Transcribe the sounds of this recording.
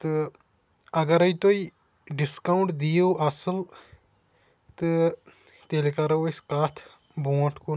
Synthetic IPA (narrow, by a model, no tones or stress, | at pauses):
t̪ɨ | ɐɡɐɾɐjt̪oi | ɖiskɐwɳʈd̪ijoːʔɐsɨl | t̪ɨ | t̪elikɐɾɐwɐskaːt̪ʰ | boːʈku